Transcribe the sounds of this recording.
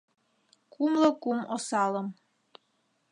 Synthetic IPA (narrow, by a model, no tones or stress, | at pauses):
kumləkumosɑləm